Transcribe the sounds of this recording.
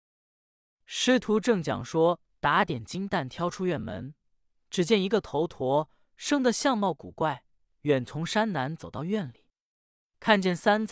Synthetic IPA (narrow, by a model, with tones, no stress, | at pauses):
ʂɻ̩˥t̪ʰu˧˥ʈ͡ʂɤ˥˩ŋt͡ɕjɑ̰˨˩ŋʂwɔ˥ | t̪a˧˥t̪jɛ˨˩nt͡ɕi˥ŋt̪a˥˩nt̪ʰjɑ˥ʊʈ͡ʂʰu˥ɥɛ˥˩nmə̰˧˥n | ʈ͡ʂɻ̩˨˩t͡ɕjɛ˥˩ni˧˥ɡə˧t̪ʰo˧˥ʊt̪ʰwɔ˧˥ | ʂɤ˥ŋd̪ə˨ɕjɑ˥˧ŋmɑ˥˩ʊkṵ˨˩kwa˥˩ɪ | ɥɛ˨˩nt͡sʰʊ˧˥ŋʂa˥nna˧˥nt͡so˨˩ʊt̪ɑ˥˧ʊɥɛ˥˩nli˨˩˦ | kʰa˥˧nt͡ɕjɛ˥˩nsa˥nt͡s